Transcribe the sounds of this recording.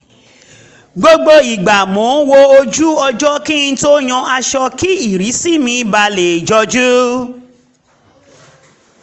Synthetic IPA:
ɡ͡bo˦ɡ͡bo˧i˨ɡ͡ba˨mɔ̃˨˦wo˧o˧d͡ʒu˦ɔ˧d͡ʒɔ˦ki˦ĩ˧˦to˦j̃ɔ̃˧a˧ʃɔ˧ki˦i˦˨ɾi˨˦si˦˨mĩ˧ba˧le˨d͡ʒɔ˧d͡ʒu˦

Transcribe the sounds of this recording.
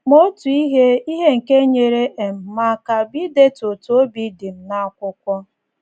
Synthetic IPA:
mo˦tu˨i˦ɦe˦i˦ɦe˦ŋ̩˨ke˦ɲe˨ɾe˦ʔe˨m̩˨ma˨ka˨bi˦de˦to˨tu˨o˦bi˦dɪ˨m̩˨na˦a˨kʷʊ˦kʷɔ˦

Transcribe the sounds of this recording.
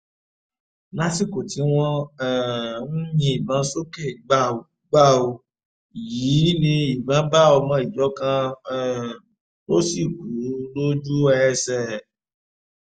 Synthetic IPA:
la˦si˦˨ko˨ti˨˦w̃ɔ̃˦ɛ˨n̩˦mĩ˧˦i˨bã˨˦so˦ke˦˨ɡ͡ba˦˨o˨ | ɡ͡ba˦˨o˧ | ji˨˦nĩ˧i˨bã˨˦ba˦˨o˧mã˧˦i˨d͡ʒɔ˨˦kã˧˦˨ | ɾo˦si˦˨ɡu˨˦lo˦d͡ʒu˦ɛ˧sɛ˦˨

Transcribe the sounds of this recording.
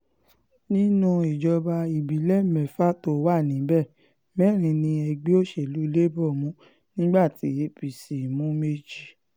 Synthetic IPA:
nĩ˦nũ˦˧i˨d͡ʒɔ˧ba˧i˨bi˨˦lɛ˦mɛ˨fa˦to˨˦wa˦˨nĩ˨˦bɛ˦˨ | mɛ˦˨ɾ̃ĩ˧nĩ˧ɛ˧ɡ͡bi˦o˦ʃe˦˨lu˨˦le˦bɔ˦˨mũ˨˦ | nĩ˦ɡ͡ba˦˨ti˨˦e˨˦pi˨si˨mũ˨˦me˧d͡ʒi˦

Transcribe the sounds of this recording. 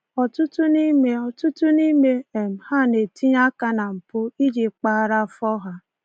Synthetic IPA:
ɔ˨tʊ˦tʊ˦ni˦me˨ɔ˨tʊ˦tʊ˦ni˦me˦e˨m̩˨ha˦˨ne˨ti˦ɲa˦ka˦na˨m̩˨pʊ˦i˦d͡ʒi˨k͡pa˦˨ɾa˦˨fɔ˦ɦa˦

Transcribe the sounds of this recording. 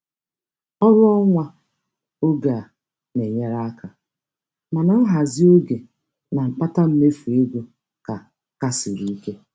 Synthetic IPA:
ɔ˦ɾʊ˦ɔ˦ŋʷa˦ | o˦ɡa˨ | ne˨ɲe˦ɾa˦a˦ka˨ | ma˨na˨˦ɦa˨zɪ˦o˦ɡe˨ | na˨ŋ͡m̩˨k͡pa˦ta˦m̩˦me˦fu˨e˦ɡʷo˦ | ka˨ | ka˦sɪ˨ɾi˦i˦ke˦

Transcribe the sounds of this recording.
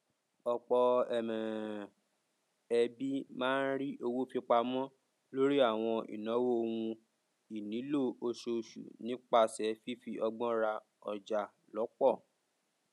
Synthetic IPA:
ɔ˧k͡pɔ˧ɛ˨mɛ̃˨ | ɛ˧bi˦mãː˦n̩˦ɾi˦ʔo˧wo˦fi˧k͡pa˧mɔ̃˦ | lo˦ɾi˦a˦˨w̃ɔ̃˧ʔḭ˨nɔ̃˨˦wo˦˧wũ˧ | i˨nĩ˨˦lo˦˨o˧ʃo˧ʃṵ˨nĩ˨˦k͡pa˧sɛ˨˦fi˦fi˧ʔɔ˧ɡ͡bɔ̃˦ɾa˧ | ɔ˨d͡ʒa˨ | lɔ˨˦k͡pɔ˦˨

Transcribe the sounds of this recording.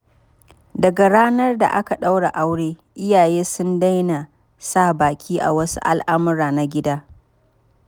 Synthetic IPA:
dɐ˨ɡa˨ɽaː˦nɐ˦rda̰˨ʔa˦ka˨ɗa˦wɽa˨ʔa˦wɽeː˦ | ʔɪ˦jaː˨jeː˦sʊ˦nda˦jna˨ | saː˦˨baː˨kʲʰiː˦ʔa̰˨wɐ˦sṵ˦ʔa˨lʔa˦mʊ˦ɾaː˨na˨ɡʲɪ˦daː˦

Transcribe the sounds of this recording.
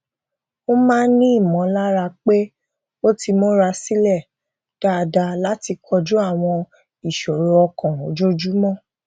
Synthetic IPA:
o˦mãː˦nĩ˦i˦˨mɔ̃˨˦la˦ɾa˧k͡pe˦ | o˦ti˧mo˦ɾa˧si˦lɛ˦˨ | d̥a˨da˧la˦ti˧kʰɔ˧d͡ʒu˦a˦˨w̃ɔ̃˧ | i˨ʃɔ˨ɾo˨ɔ˧kɔ̃˨o˨d͡ʒo˦d͡ʒu˦mɔ̃˦˨

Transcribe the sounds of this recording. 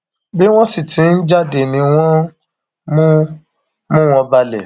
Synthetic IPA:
bi˦w̃ɔ̃˦si˦˨tĩ˨˦n̩˦d͡ʒa˦˨de˨nĩ˨˧w̃ɔ̃˦ | mũ˦ | mũ˦w̃ɔ̃˧ba˧lɛ˨

